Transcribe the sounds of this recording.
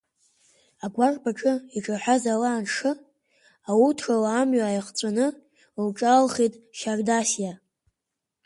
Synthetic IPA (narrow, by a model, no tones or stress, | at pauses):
aɡʷarbaʈ͡ʂʼɨiʈ͡ʂʼaħʷazalaːnʂɨ | awutʰrawaːmɥaajχt͡sʷʼanɨ | lʈ͡ʂʼalχitʼʃardasja